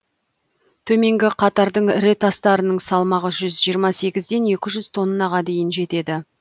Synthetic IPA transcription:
t̪ʰɵme̞ŋɡʲɪqʰɑt̪ɑɾd̪əɴɾet̪ɑst̪ɑɾənəɴsɑlˠmɑʁəʒʏzʒijəɾmɑse̞ɡʲɪzd̪e̞ne̞kʲɪʒʏz̥t̪ʰo̞nːəːɑʁɑd̪e̞jɪnʒe̞t̪e̞d̪ɪ

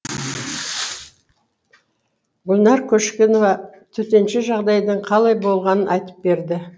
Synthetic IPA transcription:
ɡʊlʲˠnɑɾkʲʰɵʃkʲenovɑt̪ʰɵt̪e̞nʃɪʒɑʁd̪ɑjd̪əɴqʰɑlˠɑjbo̞lˠʁɑnənʔɑjt̪ə̥p̚be̞ɾd̪ɪ

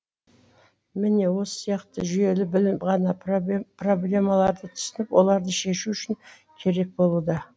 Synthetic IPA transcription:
mɪne̞wo̞sə̥sijɑqt̪əʒʏje̞lɪbɪlʁɑnɑpro̞blʲe̞mɑlˠɑɾd̪ət̪ʰʊ̥sənəpwʔo̞̰lˠɑɾd̪əʃe̞ʃuʏʃɪŋ | kʲʰe̞ɾe̞k̚bo̞lˠud̪ɑ

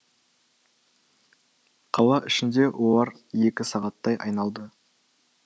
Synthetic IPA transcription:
qʰɑlˠɑʔɪʃɪnd̪e̞wʔolˠɑɾ | je̞kʲɪsɑʁɑt̪ːɑjʔɑ̰jnɑlˠd̪ə

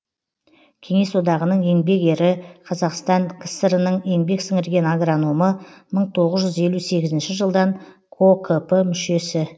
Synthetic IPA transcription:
kʲʰe̞ŋe̞swo̞d̪ɑʁənəɴe̞ŋbe̞ke̞ɾɪqʰɑzɑqst̪ɑŋkʲʰɪ̥səɾənəɴe̞ŋbe̞ksɪŋɪɾɡʲe̞naɡranoməməɴt̪ʰo̞ʁəzʒʏze̞lʲuse̞ɡʲɪzɪnʃɪʒəlˠd̪ɑɴ | kʰokʰəpəmʏʃe̞sɪ

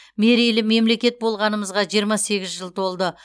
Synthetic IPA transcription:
me̞ɾilɪme̞mle̞kʲe̞t̪̚bo̞lˠʁɑnəməzʁɑʒijəɾmɑse̞ɡʲɪzʒəlˠt̪ʰo̞lˠd̪ə

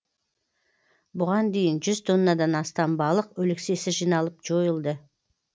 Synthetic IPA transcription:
bʊʁɑnd̪e̞jɪnʒʏzt̪ʰo̞nːɑd̪ɑnɑst̪ɑmbɑlˠəqɵlɪkse̞sɪʒijnɑlˠəpʒo̞jəlˠd̪ə

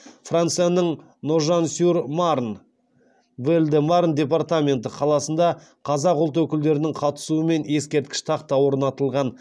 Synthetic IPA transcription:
frant̪sɨjanəɴ | noʒansurmaɾn | bɪɾɪld̪ɪmaɾnd̪ʲe̞p̬art̪amʲe̞nt̪əqʰɑlˠɑsənd̪ɑ | qʰɑzɑqʊlˠt̪wɵkʲɪld̪e̞ɾɪnɪŋqʰɑt̪ə̥suəme̞ne̞skʲe̞ɾt̪̚kʲɪ̥ʃt̪ʰɑqt̪ɑwoɾənɑt̪əlˠʁɑn

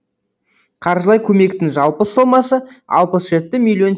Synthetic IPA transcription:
qʰɑɾʒəlˠɑjkʲʰɵme̞kt̪ɪŋʒɑlˠpəso̞mːɑsəɑ̰lˠpəsʒ̥e̞t̪ːɪmilʲːjo̞n

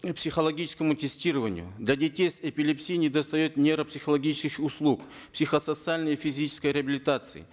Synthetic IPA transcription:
psʲixəlˠɐɡʲit͡ʃɪ̥skəmʊtʲɪsʲtʲiɾəvənʲɪ̰jʊ̰d̪lʲadʲɪtʲejsʲepʲilʲɪpsʲijnʲɪd̪əst̪ɐjot̪nʲeɾəpsʲɪxəlˠɐɡʲit͡ɕɪskɪxʊslˠuk | psʲixəsət̪sɨalʲnəjəfʲizʲit͡ɕɪ̥skəjɾʲɪəbʲɪlʲɪt̪at̪sɨ̰ɪ̰

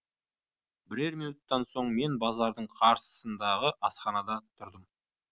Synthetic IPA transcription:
bɪɾe̞ɾminut̪ːɑnso̞ɴme̞nbɑzɑɾd̪əɴqʰɑɾsə̥sənd̪ɑʁəʔɑsχɑnɑd̪ɑt̪ʰʊɾd̪əm

